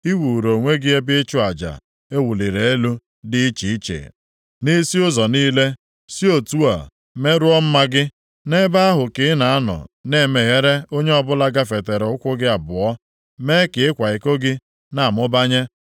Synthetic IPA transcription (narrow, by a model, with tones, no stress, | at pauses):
i˦wu˨ɾo˨ŋʷe˦ɡɪ˦e˦bɪ˦ɪ˦t͡ʃʊ˦a˨d͡ʒa̰˨ | e˦wu˨li˨ɾe˨e˦lu˦ | dɪ˦i˦t͡ʃi˨i˦t͡ʃḛ˨ | ni˦si˦ʊ˦zɔ˨niː˦le˦ | si˦o˨tu˦a˨ | me˦ɾʊ˦ɔ˦m̩˦ma˦ɡɪ˦ | ne˦ba˦a˦ɦʊ˨kɪ˨˦na˨a˦nɔ̰˨ne˦˨me˨ɣe˦ɾe˦o˦ɲe˦ɔ˦bʊ˦la˦ɡa˦fe˨te˨ɾʊ˦kʷʊ˦ɡɪ˦a˨bʊ˨ɔ˦ | me˦kɪ˨ɪ˦kʷa˨ɪ˨ko˦ɡɪ˦ | na˨mʊ˦ba˦ɲe˦